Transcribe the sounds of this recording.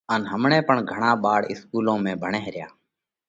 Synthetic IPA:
ənɦəmɳẽːpəɳɡʱəɳ̃aːɓaːɽɪ̰skuːlõːmẽːbʱəɳẽːɦɾɪja̰ː

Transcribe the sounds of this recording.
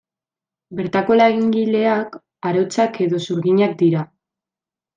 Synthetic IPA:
be̞ɾt̪ako̞laɣiŋɡile̞ak | aɾo̞t͡sake̞ðo̞suɾɣiɲak̚d̪iɾa

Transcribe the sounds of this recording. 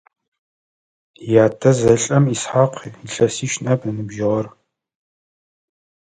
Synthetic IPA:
jaːtʰɐzɐɬʼɐmisħaqʷʰɬɐsiːʃnɐbnɨnɨbʒɪʁɐr

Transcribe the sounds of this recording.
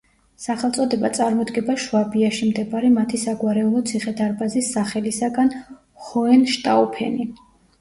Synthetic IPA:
saχɛlˠt̪sʼɔd̪ɛbat̪sʼaɾmɔd̪ɡɛbaʃwabiaʃimd̪ɛbaɾɛmat̪ʰisaɡwaɾɛulˠɔt̪sʰiχɛd̪aɾbazisːaχɛlisaɡan | χɔɛnʃt̪ʼaɔpʰɛ̰ni

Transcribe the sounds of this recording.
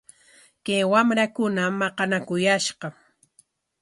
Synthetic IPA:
kajwamɾakʊnamːɑqɑnakʊjaʃɢɑ

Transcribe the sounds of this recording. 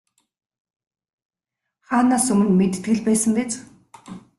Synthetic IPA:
χaːnaːsɵmɘ̆nmet̪ɘ̆t̪ɡɘ̆ɮpæːsə̆ŋɡet͡s

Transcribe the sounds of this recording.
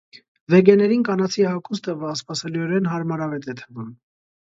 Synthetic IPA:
vɛɡɛnɛɾinkɑnɑt͡sʰiɛhɑkʰust̪əvəɑspɑsɛliɔɾɛnɦɑɾmɑɾɑvɛt̪ɛt̪ʰəvum

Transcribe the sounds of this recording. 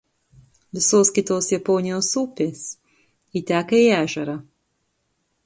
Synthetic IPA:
ʋʲɪsoːskʲɪt̪oːsjɛpɔːnʲɪjoːsuːpʲeːs | iːt̪ʲæːkɐiːæːʒʲɛɾɑː

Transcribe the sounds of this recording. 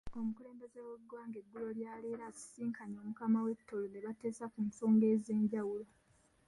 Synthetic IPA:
o̞mukule̞ːmbezewe̞ɡwaːŋɡe̞ɡːulo̞ljaːleːɾazi̥siːŋkʰaɲo̞ːmukamawe̞tːoloneβate̞ːsakunso̞ːŋɡe̞ze̞ːɲɟawulo̞

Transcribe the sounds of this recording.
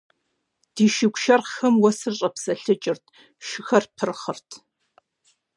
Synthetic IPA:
d̥iːʃɪkʷʃɐrxɐmwɐsɨrɕʼɐpsɐɬɨt͡ʃʼɪrtʰ | ʃɪxɐrpʰɨrχərtʰ

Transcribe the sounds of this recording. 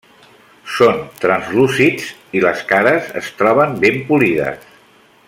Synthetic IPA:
sont̪ɾənzlusid͡ziləskaɾəzə̰st̪ɾɔβəmbempuliðə̰s

